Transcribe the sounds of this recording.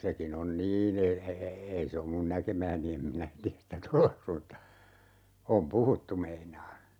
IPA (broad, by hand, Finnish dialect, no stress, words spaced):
sekin on niːn e e e ei se om mun nækemæːni em minæ tiæs sitæ toleks mutːɑ om puhutːu meinɑː